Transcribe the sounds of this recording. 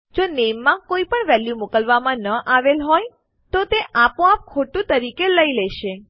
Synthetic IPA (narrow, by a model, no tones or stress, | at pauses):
d͡ʒonemːãkoipəɳʋɛljumukəlʋamãnəʔaʋelɦɔj | t̪ot̪eʔapõap̚kʰoʈũt̪əɾikeləilɛʃe